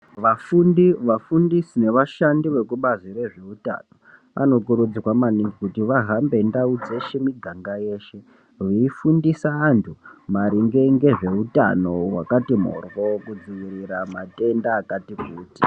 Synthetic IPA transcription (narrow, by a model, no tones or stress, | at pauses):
ʋafundiʋafundisine̞ʋaʃandiʋe̞kuɓazire̞ʐe̞uta̰no̞ | ʋʔa̰no̞kuɾud͡ziwamaniŋɡikutiʋaɦambe̞ndaud͡ze̞ʃe̞miɡʱaŋɡaje̞ːʃe̞ | ʋiifundisaːntʰumaɾiŋɡeŋɡe̞ʐe̞uta̰no̞wakatimo̰rwo̞kud͡ziʋiriɾamate̞ndaːkatikuːti̥